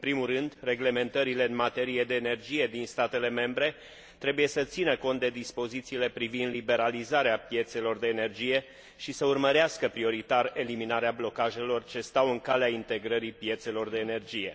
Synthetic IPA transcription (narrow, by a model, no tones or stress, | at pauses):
ɨmpɾimulrɨnd̪re̞ɡle̞me̞nt̪əɾile̞ɨnmat̪e̞ɾije̞d̪e̞ːne̞rd͡ʒije̞d̪inst̪at̪e̞le̞me̞mbɾe̞ | t̪ɾebuje̞sət̪sinəko̞nt̪̚d̪e̞d̪ispo̞zit̪siːle̞pɾivind̪libe̞ɾalizaɾeapje̞t̪se̞lo̞rd̪e̞ːne̞rd͡ʒije̞ | ʃisəurməɾeaskəpɾio̞ɾit̪are̞liminaɾeablo̞kaʒe̞lo̞rt͡ʃe̞st̪awɨŋkaleaint̪e̞ɡɾəɾipije̞t̪se̞lo̞rd̪e̞ːne̞rd͡ʒije̞